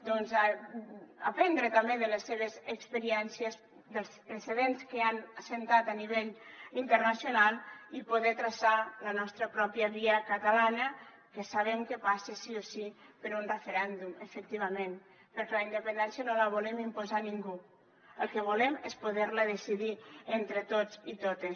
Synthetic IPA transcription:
d̪ɔnza | apɛnd̪ɾet̪ambeðəlesːeβ̞ezəkspeɾiɛnsjes | d̪əlˠspɾeseðenskeanasent̪at̪aniβ̞eʎint̪əɾnasjonalˠipuðɛt̪ɾasalənɔst̪ɾəpɾɔpjəβiəkat̪alanə | kesaβemkepasesiosipəɾunrefeɾɛnd̪uməfək̚t̪iβɐmen | pəɾkelaind̪əpənd̪ɛnsjənoləβ̞ulemimpuzaniŋɡu | əlˠkeβ̞ulemespuðeɾləðesiðient̪ɾet̪ot͡sit̪ot̪es

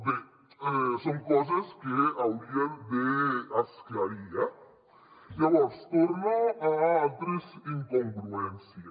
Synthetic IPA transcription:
be | esoŋkos̬askeawd̪iad̪easkjaɾia | iawost̪oɾnaaalt̪ɾesiŋkoŋɡɾuensja

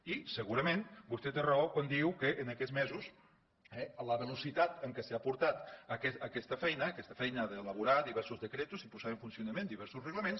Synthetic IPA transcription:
isəɣuɾəmenbust̪ɛt̪erokwand̪iwkəʔːnəkɛzmɛzus | ɛləβəlusit̪at̪əŋkəseapuɾt̪at̪əkɛːkɛst̪əfɛjnəːkɛst̪əfɛjnəðəːləβuɾaðiβɛɾsuzðəkɾet̪uzipuzaəɱfunsiunəmẽnd̪iβɛɾsusrəɣləmens

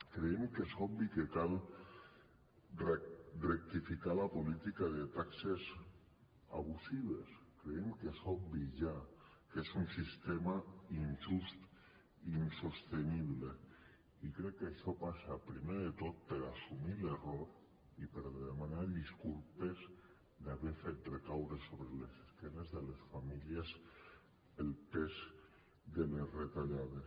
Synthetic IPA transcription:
kɾeemkezɔbikekalˠ | rek̚t̪ifikalapolit̪ikaðet̪aksez | a̰βusiβeskɾeemkesɔbiʒa | kezunsist̪emainʲʒust̪ | insost̪eniβle | ikɾɛkːaʃɔpasapɾimeðet̪ot̪̚peɾasumileroɾ | ipeɾðemanaɾðiskulpez | d̪aβeɾfet̪̚rekawɾesoβɾeleseskenezðelesfamilies | elpez | d̪elezret̪aʎaðe

